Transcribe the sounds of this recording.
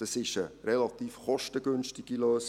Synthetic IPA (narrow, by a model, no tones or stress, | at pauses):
ɑsɪʃərɛlɑt̪iːfχɔʃtəɡʏnʃtɪɡ̥iløːs